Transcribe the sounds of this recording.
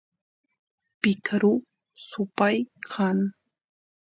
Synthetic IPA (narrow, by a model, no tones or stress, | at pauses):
pɪkɾʊ | sʊpajkʰaŋ